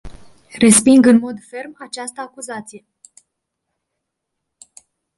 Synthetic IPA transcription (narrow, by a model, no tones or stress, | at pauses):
re̞spiŋɡɨnmo̞d̪fe̞rmat͡ʃast̪əakuzat̪sije̞